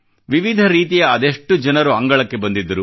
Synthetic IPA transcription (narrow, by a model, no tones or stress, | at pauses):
ʋiʋid̪ʱɐɾiːt̪ijɐːd̪eʂʈːud͡ʒɐnɐɾuɐŋɡɐɭɐkːe̞bɐnd̪id̪ːɐɾu